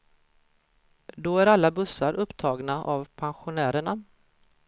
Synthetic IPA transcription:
d̪oæɾalːabɵsːaɾʔɵpːt̪ʰɑːɡnaʔavpʰanɧʊnæːɾəɳa

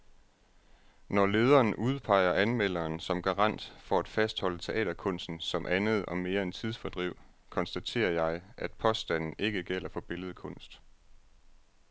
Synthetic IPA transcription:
nɒle̝ːð̞ˠɐːnʔuð̞ˠpʰɑ̈ɪ̰ɐʔænmel̰ɐːnsɒ̽mɡ̥ɑ̈ʁɑn̰d̥fɒ̽æd̥fæsd̥hɒ̽l̰ət͡sʰe̝ʔɛ̰ːɾɐkʰɔ̽n̰sd̥n̩sɒ̽mʔænð̞̩ˠɒ̽me̝ːɐent͡sʰið̞ˠsfɒ̽d̥ʁiʊ̰ | kʰɒ̽nsd̥æt͡sʰe̝̰ːɐjɑ̈ɪʔæd̥pʰɒ̽sd̥æn̰n̩ʔe̝ɡ̥əɡ̥el̰ɐfɒ̽b̥e̝ləð̞̩ˠəkʰɔ̽n̰sd̥

